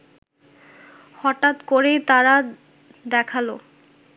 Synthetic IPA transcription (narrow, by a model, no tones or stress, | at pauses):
hɔʈat̪koɾet̪aɾa | d̪ɛkʰalo